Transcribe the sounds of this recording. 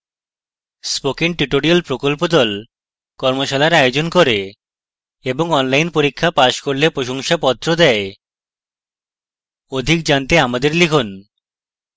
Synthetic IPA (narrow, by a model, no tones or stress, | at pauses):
spokiŋʈɾiʈoɾialpɾokolpod̪ɔl | kɔɾmoʃalaeɾajod͡ʑonkoɾe | eboŋɔnlajnpoɾikʰːapaʃkoɾlepɾoʃoŋʃapɔt̪ːɾod̪ɛe | od̪ʱik̚d͡ʑant̪eamad̪eɾlikʰun